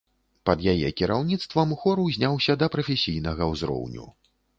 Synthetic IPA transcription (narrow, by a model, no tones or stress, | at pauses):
pɐd̪jajɛ̰kʲiɾawnʲit̪st̪vɐmuxɔɾuwzʲnʲawsʲɐd̪ɐpɾɐfʲesʲijnɐɣɐwzɾɔ̰wnʲṵ